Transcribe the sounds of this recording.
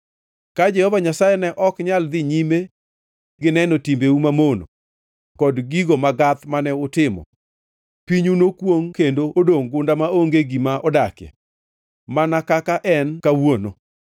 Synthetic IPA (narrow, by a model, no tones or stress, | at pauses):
kad͡ʒɛhɔvaɲasajɛnɛʔɔkɲald̪ɪɲime | ɡɪnɛnotimbeumamono̰ | kɔdɡiɡomaɡat̪manɛʊtɪmɔ̰ | piɲunokwoŋkendoodoŋɡʊndamaoŋɡeɡimaʔɔdakjɛ̰ | manakakaʔɛnkawono